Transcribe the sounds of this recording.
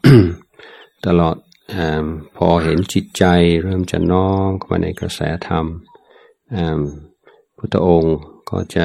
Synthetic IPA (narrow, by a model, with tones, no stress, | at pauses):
t̪a˧lɔː˨˩t̪̚ | ʔaː˧˩mpʰɔː˧ɦe˩˦nt͡ɕi˨˩t̪̚t͡ɕa˧jɾɤː˥˩mt͡ɕa̰˨˩nɔː˥mkʰma̰ː˧nʔa˧jka˧sɛ̰ː˩˦˥t̪ʰa˧m | ʔaː˧˩m | pʰu˥˩t̪ʰːa˧ʔo˧ŋkʰɔ̰ː˧˩t͡ɕa˨˩